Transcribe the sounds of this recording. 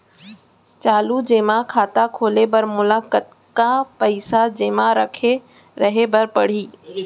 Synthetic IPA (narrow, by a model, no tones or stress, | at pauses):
t͡ɕaːlud͡ʑeːmãkʰaːt̪akʰoːlebɐɾmʊlaːkət̪̚ | kapəɪsad͡ʑeːmãɾɐkʰe | ɾɐɦebɐɾpɐɽ̤iː